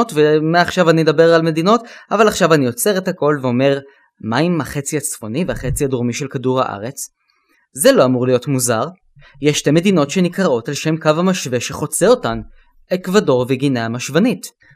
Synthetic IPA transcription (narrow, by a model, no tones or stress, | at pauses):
tvemeaχʃavanimedabe̞ʁalme̞d̪ino̞tavalaχʃavanio̞t͡se̞ʁethako̞lveo̞me̞ʁ | maimaχet͡siat͡sfo̞nivehaχe̞t͡siadoʁmiʃe̞lkaduʁha̰ʔa̰ʁe̞t͡s | zelo̞amuʁlijo̞tmuzaʁ | jeʃteme̞dino̞tʃe̞nikʁaotalʃe̞mkavhamaʃve̞ʃeχo̞t͡seo̞tan | ekvado̞ʁveɡinaamaʃvanit